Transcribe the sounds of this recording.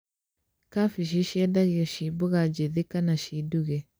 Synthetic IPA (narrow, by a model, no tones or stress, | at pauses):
kafiʃ̬iʃiɛdaɣiɔʃibuɣad͡ʒeðekanaʃiduɣɛ